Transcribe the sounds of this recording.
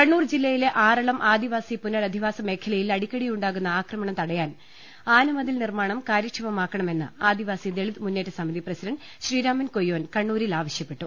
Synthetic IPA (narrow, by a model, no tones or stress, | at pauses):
kɐɳːuːrd͡ʑilːɐjileʔaːrɐɭɐmʔaːd̪iʋaːsipunːɐɭɐd̪ʱiʋaːsɐme̞ːkʰɐlɐjilɐɽikʲːɐɽijuɳɖaːɣunːɐaːkrɐmɐɳɐmt̪ɐɽɐjaːn | aːnɐmɐd̪ilnirmaːɳɐmkaːɾjɐkʂɐʋɐmaːkːɐɳɐme̞nːɨ̰aːd̪iʋaːsid̪eɭid̪munːe̞ːtːɨsɐmiðiprɐsidɐɳɖ | ɕriːɾaːmɐnkojːoːnkɐɳːuːɾilaːʋɐɕjɐpːe̞ʈːu